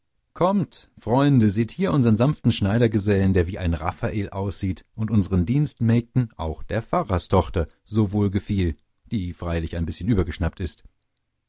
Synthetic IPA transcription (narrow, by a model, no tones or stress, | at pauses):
kʰɔmtfʁ̥ɔʏndəziːthiːɐʔʊnzəʁənzanftn̩ʃnaɪɾɐɡəzɛləndeːɐviːʔaɪnʁa̰faʔeːlʔaʊsz̥iːtʔʊntʔʊnzəʁəndiːnstmɛːk̚tn̩ʔaʊxd̥eːɐfaʁɐstʰɔχtɐ | zoːvoːlɡəfiːl | d̥iːfʁ̥aɪlɪçaɪnbɪsçənʔyːbɐɡəʃnap̚tɪst